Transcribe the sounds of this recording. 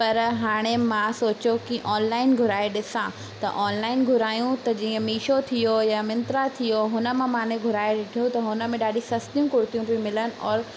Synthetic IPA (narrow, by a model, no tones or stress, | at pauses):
pɐɾɦaːɽ̃emãsoːt͡ɕokiʔɔːnlaːɪnɡʱʊɾaːeɗɪsã | t̪ɐ̰ʔɔːnlaːɪnɡʱʊɾaːjũt̪ɐd͡ʑiːə̃miːʃot̪ʰijojamɪ̃nt̪ɾat̪ʰijoɦʊnə̆mẽmaːneɡʱʊɾaːeɗɪʈʰijũt̪ɐɦʊnə̆mẽɗaːɗisɐst̪ijũkʊɽt̪ijũbʱĩmɪlənɪ̆ʔɔːɾ